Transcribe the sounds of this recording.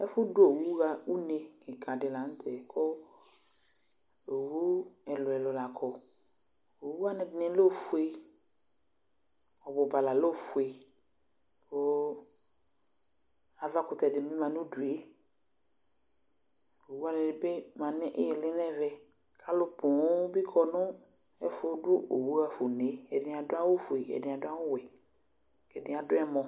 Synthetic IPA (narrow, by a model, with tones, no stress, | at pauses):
ɛ˦fʊ˦du˦o˨wu˦ɣa˨u˦ne˨kɪ˨kʰa˨dɪ˨la˨n̩˦tʰɛ˨kʰɔ˦ | o˨wu˦ɛ˨lʊ˨ɛ˨lʊ˨la˨kʰɔ˨ | o˨wu˦a˦nɛ˨dnɪ̃˨˦lo˦˨fu˦e˨ | ɔ˨bʊ˨ba˨la˨lo˦˨fu˨e˨ | o˨˦ | a˨va˦kʊ˨t̪ɛ˨dɪ˨mĩ˦mã˨nʊ̃˦du˨e˦ | o˨wu˦a˦nɪ̃˨dɪ˨be˦mã˨nɪ̃˦ʔɪ˦jɛ˨lɪ˦nɛ˦vɛ˨ | kʰa˦lʊ˦pʊ˨ʊ˦bi˦kʰɔ˨nʊ̃˦ | ɛ˨fʊ˦dʊ˦o˨wu˦a˦fʊ˨ne˨˦ɛ˨dɪ˨a˨dʊ˦a˦wʊ˦fu˨e˨ɛ̰˨dɪ̃˨a˨dʊ˦a˦wʊ˦wɛ˨ | kɛ˨dɪ̃˨˦a˨dʊ˦ɛ˦mɔ̃˨